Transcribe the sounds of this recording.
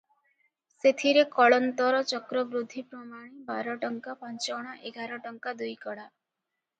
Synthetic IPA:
set̪ʰiɾekɔɭɔnt̪ɔɾɔt͡ʃɔkɾɔbɾud̪ʱːipɾɔmaɽ̃ibaɾɔʈɔŋkapɔnt͡ʃɔɽ̃ɔʔeɡaɾɔʈɔŋkad̪ujkɔɽa

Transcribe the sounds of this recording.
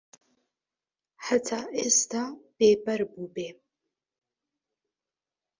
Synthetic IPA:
ħatʰaːʔestʰab̥eːbɐɾbubeː

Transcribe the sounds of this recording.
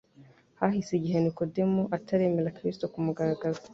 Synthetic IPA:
hahiseɟiɦenikodemuʔatʰaɾe̞ːmeɾakɾistokumuɡaɾaɡaza

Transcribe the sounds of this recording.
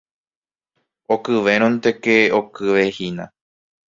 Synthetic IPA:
okɨʋe̞ɾ̃õnt̪e̞ke̞okɨʋe̞hinã̰

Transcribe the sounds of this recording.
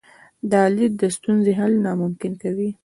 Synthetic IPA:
d̪əɑlid̪̚d̪əst̪unzeɦalnɑmʊmkɪnkawi

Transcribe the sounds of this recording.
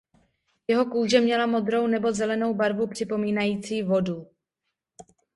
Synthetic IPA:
jɛɦo̞kuːʒɛmɲɛlamo̞d̪ɾo̞wnɛbo̞zɛlɛno̞wbaɾvupr̥ɪpo̞miːnajiːt͡siːvo̞du

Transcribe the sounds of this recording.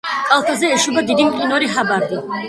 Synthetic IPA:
kʼalˠt̪ʰazɛɛʃubad̪id̪inkʼinɔɾiχabaɾd̪i

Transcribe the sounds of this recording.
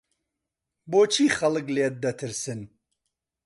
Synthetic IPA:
boːt͡ʃʰiːxɐlɨkleːt̪̚d̪ɐt̪ʰɨɾsɨn

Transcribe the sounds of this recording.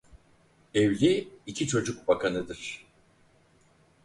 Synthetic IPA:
evlʲiicʰit͡ʃʰo̞d͡ʒukbakʰanɯd̪ɯɾ̥

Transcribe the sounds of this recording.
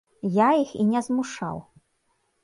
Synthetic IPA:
jaixinʲɛzmuʂa̰w

